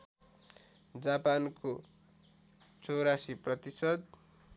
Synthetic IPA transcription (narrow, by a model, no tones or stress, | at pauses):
d͡zapanko | t͡sʌwɾasiprʌt̪isʌd̪̚